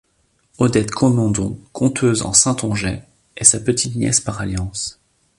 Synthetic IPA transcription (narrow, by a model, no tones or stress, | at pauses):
ɔd̪ɛt̪kʰɔmɑ̃d̪ɔ̃kʰɔ̃t̪ʰøzɑ̰̃sɛ̃t̪ɔ̃ʒɛ | ɛsapət̪it̪njɛ̰spaʁaljɑ̃s